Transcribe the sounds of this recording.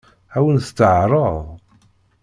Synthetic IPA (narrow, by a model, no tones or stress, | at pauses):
æwənθt͡sːəʕɾˤəðˤ